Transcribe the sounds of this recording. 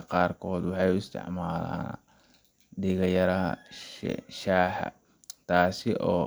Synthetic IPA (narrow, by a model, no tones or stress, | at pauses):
qɑːrkʰɔːd̪wɑħɑjʊɪst̪ʰɪ̰ʕmaːla̰ːn | ɖɪɣɐjɐɾɐɦɐ̰ | ʃaːħɑ̰ | t̪ʰaːsɪʔɔː